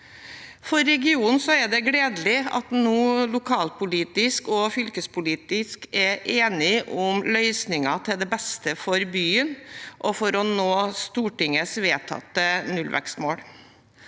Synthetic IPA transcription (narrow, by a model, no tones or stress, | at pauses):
fɔɾːɛɡɪuːn̩sɔæɖɛɡɽeːd̪lɪɑ̰t̪nuːlʊkʰɑːlpʊliːt̪ɪskɔfʏlkəspʊliːt̪ɪskɛʔeːnɪʔʊmlœʏsnɪŋɑt̪ʰɪld̪ɛbɛst̪əfɔɾbyːənʔɔfɔɾɔnoːst̪uːʈɪŋəsʋeːt̪ʰɑ̰t̪ːənʉlʋæ̰kst̪moːɽ